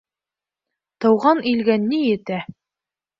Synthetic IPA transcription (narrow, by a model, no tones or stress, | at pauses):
t̪ɤ̆wʁɑnʔilɡænːijɘ̆t̪æ